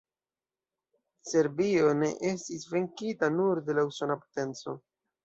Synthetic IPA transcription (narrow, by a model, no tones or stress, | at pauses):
se̞ɾbio̞ne̞̰ʔe̞stisve̞ŋkitanuɾde̞lausonapo̥te̞nt͡so̞̰